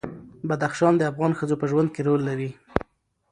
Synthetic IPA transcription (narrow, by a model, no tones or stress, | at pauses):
bad̪axʃɑnd̪əafɣɑnxəzopəʒwand̪̚keɾolːaɾi